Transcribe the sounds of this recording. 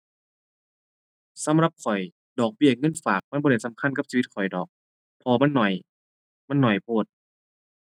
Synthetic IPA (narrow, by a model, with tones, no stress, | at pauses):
sa˨˧˦mɾa˧p̚kʰɔ˨˩j | dɔː˨˩k̚bi˧˩˨ŋɤ˧˥˨nfaː˨˩k̚ma˧˥˨bɔ˧˨e˧˩jsa˧˦mkʰa˧˥˨nka˧˥psiː˧i˧t̪̚kʰɔ˨˩jdɔː˨˩k̚ | pʰɔː˧ma˧˥˨nːɔ˨˩j | ma˧˥˨nːɔ˨˩jpʰuː˧˩t̪̚